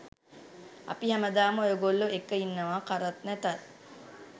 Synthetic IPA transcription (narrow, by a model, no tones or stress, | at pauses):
a̰piɦæməd̪aːməojoɡolːuekːəinːəʋaːkaɾat̪̚næt̪at